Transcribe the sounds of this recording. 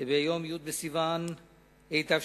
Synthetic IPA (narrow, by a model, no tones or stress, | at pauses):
bejomjud̪̚besivan | ejt̪av